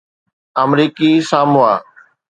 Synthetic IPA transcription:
əmɾiːkisaːmʊaː

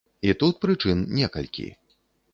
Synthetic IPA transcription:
it̪ut̪̚pɾɨt͡ʂɨnnʲɛkɐlʲkʲḭ

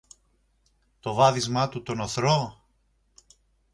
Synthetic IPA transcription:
t̪o̞vɐðizmɐt̪ut̪o̞noθɾo

